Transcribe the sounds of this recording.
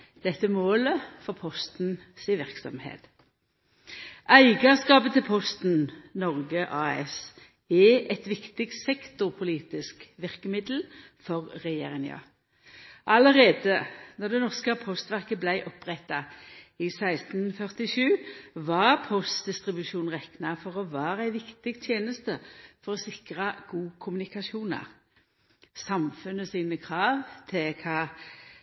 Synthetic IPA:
d̪̥ɛt̪ːəmoːləfɔʁpʰɔst̪n̩ | sɪʋɪʁksɔ̰mhḛːt̪ | ʔæɪɡɑskɑːpət̪ʰɪlpʰɔst̪nnɔʁɡəʔɑːɛ̰s | ɛʔɛt̪ʋɪkt̪ɪk̪sɛkt̪ʊpʰʊliːt̪ɪskʋɪʁkəmɪd̪l̩ | fɔʁːɛjḛːʁɪŋɑ̰ | ʔɑləʁeːd̪əd̪ɔʁd̪ɛnɔʁskəpʰɔst̪ʋæʁkəblæɪʔɔpʁɛt̪ːɑɪsæɪst̪n̩fœʁt̪ɪʃʉːʋɑʁpʰɔst̪̚d̪ɪst̪ʁɪbʉʃuːnʁɛknɑfɔʁɔʋæːʁæɪʋɪkt̪ɪɡt̪ʰjeːnəst̪əfɔʁɔsɪkʁɑɡ̥uːkʰʊmʉnɪkɑʃuːnɑ̰ʁ | sɑmfʉnəsiːnəkʰʁɑːʋt̪ʰɪlkʰɑː

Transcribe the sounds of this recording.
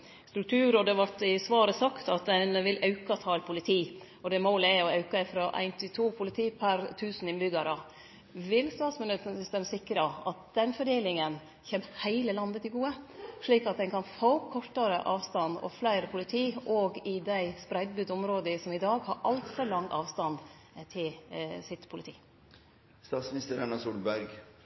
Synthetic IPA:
st̪ɾʉk̚t̪ʰʉːɾɔd̪ɛʋɑʈɪsʋɑːɾəsɑkt̪ɑt̪d̪ɛnʋɪlʔɑʉkɑt̪ʰɑːɛlpʰʊlɪt̪ʰiː | ɔd̪ɛmoːlæɔɑʉkɑɪfɾɔʔæ̰ɪnt̪ʰɪt̪ʰuːpʰʊlɪt̪ʰiːpʰæɾt̪ʰʉːsn̩ɪnbʏɡɑɾɑ | ʋɪlst̪ɑːt̪smʉnət̪ən̩sst̪ɛmsɪkɾɑɑ̰t̪̚d̪̥ɛnfɔɖeːlɪŋən | çɛːmhæɪləlɑnd̪ət̪ʰɪɡuːəʂɭiːkɑt̪̚d̪ɛnkʰɑnfoːkʰɔʈːəɾəʔɑːʋst̪ɑnɔ̰flæɪɾəpʰʊlɪt̪ʰiːʔɔɡɪd̪æɪspɾæɪd̪̚bʉːd̪ɔmɾoːd̪əsɔmɪd̪ɑːɡhɑɾʔɑlt̪fɔlɑŋɑːʋst̪ɑn | t̪ʰɪlsɪt̪pʰʊlɪt̪ʰḭː | st̪ɑːt̪smnɪst̪əɾɛnɑsuːlbæɾɡ

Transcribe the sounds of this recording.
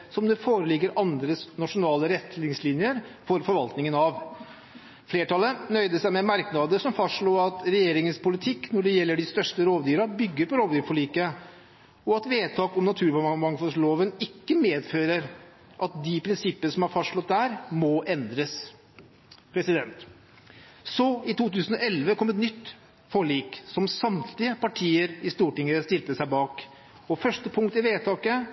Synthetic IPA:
sɔmd̪ɛfoːɾəlɪɡːəɾʔɑnd̪ɾəsnɑʂʊnɑːləɾɛt̪ːlɪŋslɪnjəɾfɔɾfɔɾʋɑlt̪nɪŋənɑʋ | fleːʈɑlːənœʏd̪əsæɪmɛmæɾknɑːd̪əsɔmfɑstʂɭoːɾɑt̪ɾɛjeːɾɪŋənspʊlɪt̪ʰɪkːnɔɖɛjɛlːəɖɪst̪œʂʈəɾoːʋd̪yːɾɑbʏɡːəɾpɔɾoːʋd̪yːɾfɔɭiːkə | ɔɑt̪ʋeːt̪ʰɑːkɔmnɑt̪ʰʉːɾfɔmɑŋfɔsloːʋənɪkːəmeːd̪føːɾəɾ | ʔɑt̪̚d̪ɪpʰɾɪnsɪpːənəʂɔmhɑɾfɑsʂɭɔt̪̚d̪æːɾmɔʔɛnd̪ɾəs | pʰɾɛsɪd̪ɛnt̪ | sɔɪt̪ʰuːt̪ʉːsənɔɛlʋəkʰɔmɛt̪nʏt̪ː | fɔɭiːksɔmsɑmt̪ʰlɪəpɑʈʰiːəɾɪst̪uːʈɪŋːəst̪ɪlt̪əsæɪbɑːk | ɔfœʂʈəpʰʊŋkt̪ɪʋeːt̪ʰɑːkə

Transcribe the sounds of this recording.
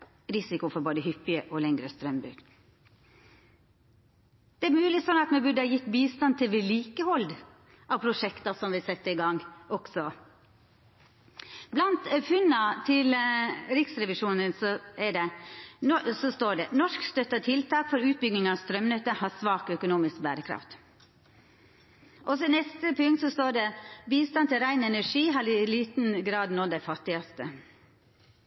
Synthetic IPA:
ɾɪsɪkʊfɔɾboːd̪əɦʏpːɪəʔɔlɛŋɾəst̪ɾœmbʉ̰ːɡ̪ | d̪̥ɛæɾmʉːlɪsɔnɑt̪mɛbʉɖəhɑːjɪt̪ːbiːst̪ɑnt̪ʰɪlʋɪliːkəhɔld̪ | ʔɑʋpʰɾʊʂɛkt̪ɑsɔmʋɪsɛt̪ːəɪɡɑŋːɔksɔ | blɑnt̪fʉnːɑt̪ʰɪlɾɪksɾɛʋɪʂuːnənsɔɛɖɛ | sɔst̪oːɖɛnɔʂkst̪œt̪ːɑt̪ʰɪlt̪ʰɑːkfɔɾʉːt̪̚bʏɡnɪŋɑʋst̪ɾœmnœt̪ːəhɑsʋɑːkœkʊnuːmɪskbæːɾəkʰɾɑ̰ft̪ | ʔɔsɔnɛst̪əpʰʉŋkt̪sɔst̪oːɖɛbiːst̪ɑnt̪ʰɪlɾæɪnɛnæʂiːɦɑɾɪliːt̪n̩ɡɾɑːd̪noːd̪æɪfɑt̪ːɪɑst̪ə

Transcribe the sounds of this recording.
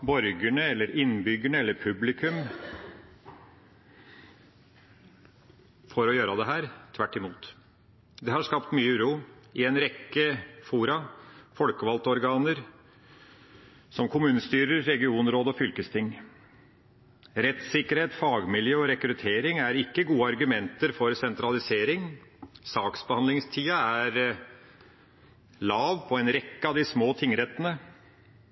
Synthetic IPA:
bɔɾɡəɳəɛlːəɾɪnbʏɡəɳəɛlːəɾpʰʉblɪkʰʉm | fɔɾɔjøːɾɑd̪ɛɦæːɾt̪ʰʋæʈːɪmuːt̪ | d̪ɛhɑʂkɑpt̪myːɾuːɪɛnɾɛkːəfuːɾɑfɔlkəʋɑlt̪əɔɾɡɑːnəɾ | sɔmkʰʊmʉːnəst̪yːɾəɾːɛɡɪuːnɾoːd̪ɔfʏlkəst̪ʰɪŋ | ɾɛt̪sɪkːəɾheːt̪fɑːɡmɪljøːɔɾɛkɾʉt̪ʰeːɾɪŋæɾɪkːəɡuːəɑɾɡʉmɛnt̪əɾfɔɾsɛnt̪ɾɑlɪseːɾɪŋsɑːksbəhɑnlɪŋst̪ʰiːɑæɾ | lɑːʋpʰɔɛnɾɛkːəɑd̪ɪsmoːt̪ʰɪŋɾɛt̪ːənə

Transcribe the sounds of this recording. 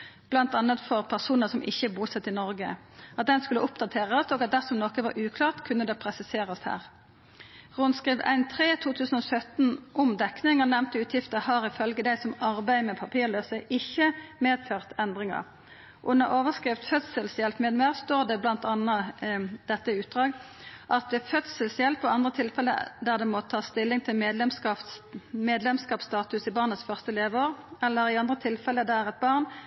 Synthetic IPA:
b̥lɑnt̪ɑnːət̪fɔʁpʰæʁsuːnəsɔmʔɪçːəbuːsɛt̪ːɪnɔɾɡə̰ | ɑt̪̚d̪ɛnskʉlːəʔʊpd̪ɑt̪ʰeːʁəsɔɡɑt̪̚d̪æʁsɔmnoːkəʋɑ̰ɾʔʉːkʰlɑːʁt̪kʰʉnːəd̪ɛːpʰʁɛsɪseːʁəshæ̰ːʁ | ʁʊnskʁiːʋæ̰ɪnt̪ʰʁeːt̪ʰuːt̪ʰʉːsən̩ɔsœt̪nʔɔmd̪ɛknɪŋənɛmt̪əʉːt̪ʰjɪft̪əhɑɾɪfœlɡəd̪æɪsɔmɑʁbæɪmɛpʰɑpʰiːʁløːsəɪçːəmeːd̪føːʁt̪ɛnd̪ʁɪŋɑ̰ʁ | ʔʊnɑ̰ʁʔoːʋəskʁɪʋt̪fœt̪səlsjɛlpmeːd̪mæːʁst̪oːʁd̪ɛblɑnt̪ɑnːɑd̪̥ɛt̪ːəʉːt̪̚d̪ʁɑːɡ | ʔɑt̪̚d̪ɛfœt̪səlsjɛlpɔɑnd̪ʁət̪ʰɪlfɛlːə̰d̪æʁd̪ɛmɔt̪ʰɑːst̪ɪlːɪŋt̪ʰɪlmeːd̪lɛmskɑmeːd̪lɛmskɑːpst̪ɑːt̪ʉsɪbɑːʁnət̪sfœʁst̪əleːʋəoːʁɛlːəɾɪɑnd̪ʁət̪ʰɪlfɛlːəd̪æʁɛt̪̚bɑʁn

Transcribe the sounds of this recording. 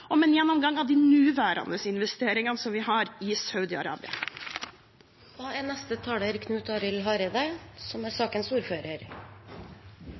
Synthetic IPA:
ɔmɛnjɛnːɔmɡɑŋːɑʋd̪ɪnʉːʋæːɾʔɑ̰nəsɪnʋɛst̪eːɾɪŋɑnsɔmʋɪɦɑɾɪsɑʉd̪ɪɑ̰ɾɑ̰ːbɪɑ̰ | ʋɑːɛnɛst̪ət̪ʰɑːləɾkʰnʉːt̪ɑːɾɪlɦɑɾed̪əsɔmæsɑːkənsuːɾføːɾəɾ

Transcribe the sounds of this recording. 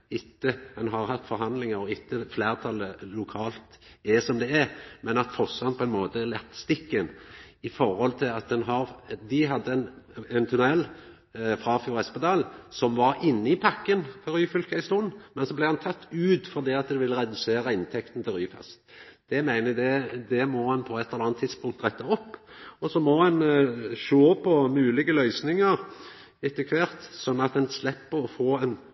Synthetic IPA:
ɪt̪ːəɛnɦɑɾɦɑt̪ːfɔɾɦɑnlɪŋəɾɔɪt̪ːəfleːʁt̪ʰɑləlʊkʰɑːlt̪ɛsɔmd̪ɛɛmɛnɑt̪fɔsɑnpʰɔɛnmoːt̪əɛlɛt̪ːst̪ɪkːɛnɪfɔɾhɔlt̪ʰɪlɑt̪̚d̪ɛnɦɑɾd̪ɪɦɑd̪ːəɛnɛnt̪ʰʉnɛlː | fɾɑfjuːɾɛspɑt̪ʰɑːlsɔmʋɑɾɪnːəɪpʰɑkːənfɔɾyːfʏlkæɪst̪uːnmɛnsɔblɛɪhɑnt̪ʰɑt̪ːʉːt̪fɔʁd̪iːɑt̪̚d̪ɛʋɪlːəɾɛd̪ʉseːɾəɪnt̪ʰɛkt̪n̩t̪ʰɪlɾyːfɛ̰st̪d̪̥ɛmæɪnəd̪ɛd̪ɛmɔhɑnpʰɔɛt̪ʰːɛlɑnt̪ʰːɪd̪spʊŋkt̪ʁɛt̪ːɑɔpːɔsɔmɔɑnʃoːpʰɔmʉːlɪɡəlœʏsnɪŋəʁ | ɪt̪ːəkʰʋeːʁt̪sɔnːɑt̪d̪ɛnslɛpːəɾɔfoːɛn

